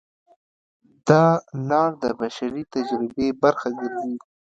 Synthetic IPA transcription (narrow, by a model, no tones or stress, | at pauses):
d̪̥ɑnɑːɾd̪əbaʃaɾit̪ad͡ʒɾɪbebaɾxaɡəɾzi